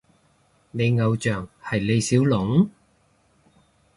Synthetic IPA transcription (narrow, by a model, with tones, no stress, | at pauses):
ne˨˧jŋɐ˨˧wt͡ʃœː˨˩ŋhɐ˨˩jle˨˧jsiː˨˥wlʊ˨˥ŋ